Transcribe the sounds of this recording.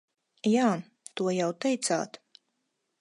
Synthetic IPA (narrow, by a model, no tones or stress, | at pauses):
jaː | t̪uɔjawt̪ɛjt̪sa̰ːt̪